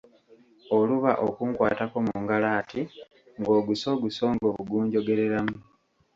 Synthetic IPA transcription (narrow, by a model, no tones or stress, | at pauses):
o̞luβa̰ʔokuːŋkwa̰ːtako̞muŋɡalaːtʰi | ŋɡo̞ːɡuso̞ːɡuso̞ːŋɡo̞ːβuɡuːɲɟo̞ɡe̞ɾe̞ɾamu